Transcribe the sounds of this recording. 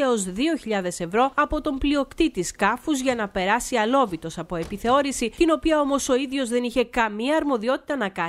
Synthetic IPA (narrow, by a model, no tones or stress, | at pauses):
eo̞zðio̞çiʎɐðe̞se̞vɾo̞ɐpo̞t̪o̞mblio̞kt̪it̪iskɐfuzʝɐnɐpe̞ɾɐsiɐlo̞vit̪o̞sɐpo̞e̞piθe̞o̞ɾisit̪ino̞piɐo̞mo̞so̞iðʝo̞zðe̞niçe̞kɐmiɐːɾmo̞ðio̞t̪i̥t̪ɐnɐkɐ